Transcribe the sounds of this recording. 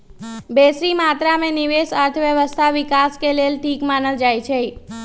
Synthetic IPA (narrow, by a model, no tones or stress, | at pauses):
besɾimat̪ɾamẽniʋesəɾt̪ʰəʋjəʋəst̪ʰaʋɪkaskelelʈʰikmanəld͡ʒajt͡ʃʰe